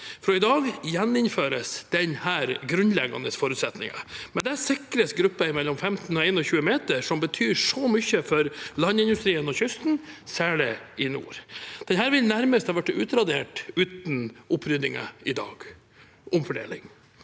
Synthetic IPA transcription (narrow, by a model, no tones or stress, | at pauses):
fɔɾɔɪd̪ɑːɡjɛnːɪnføːɾəsd̪̥ɛnhæːɾɡɾʉnlɛɡɑ̰nəsfɔːɾʉt̪sɛt̪nɪ̰ŋɑ̰mɛnd̪ɛæsɪkɾəsɡɾʉpːəɪmɛlːɔmfɛmt̪n̩ɔɛɪnɔçʉːəmeːt̪əʂɔmbət̪ʰyːʂɔmʏçəfɔɾlɑnːɪnd̪ʉst̪ɾiːənɔçʏst̪n̩sæːɭɪɪnṵːɾd̪̥ɛnɦæːɾʋɪlnæɾməst̪hɑːʋæʈːʉːt̪ɾɑd̪eːʈʉːt̪n̩ʔʊpʰːɾʏd̪nɪŋə̰ɪd̪ɑ̰ːɡ̥ | ʔɔmfɔɖḛːlɪ̰ŋ